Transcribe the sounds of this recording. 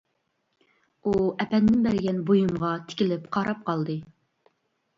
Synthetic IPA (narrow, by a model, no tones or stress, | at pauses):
uɛpɛnd̪ɪnbæɾɪɡʲɛnbojumʁɑt̪ʰɪ̥kʲilɪpqʰɑɾɑp̚qʰɑlˠd̪ɨ